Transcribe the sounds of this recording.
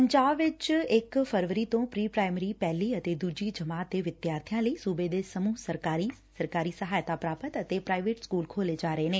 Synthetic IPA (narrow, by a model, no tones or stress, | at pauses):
pəɲd͡ʒaːbʋɪt͡ʃɪkpʰəɾʋəɾiːt̪õːpɾiːpɾaːɪməɾiːpɛːliːət̪eːd̪uːd͡ʒiːd͡ʒəmaːt̪̚d̪eːʋɪd̪jaːɾt̪ʰijãːləiːsuːbeːd̪eːsəmuːsəɾkaːɾiːsəɾkaːɾiːsəɦaːjt̪aːpɾaːpət̪ət̪eːpɾaːɪʋeːʈskuːlkʰoːleːd͡ʒaːɾəeːneː